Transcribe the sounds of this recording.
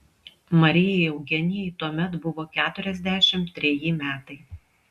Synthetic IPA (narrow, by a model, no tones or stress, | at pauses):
mɐɾʲɪjɛɪɐʊɡʲɛnʲɪjɛɪt̪uɔmʲɛt̪bʊʋoːkʲæːt̪ʊɾʲɛzʲd̪ʲæːʃʲɪmt̪ʲːɾʲɛjimʲæːt̪ɐɪ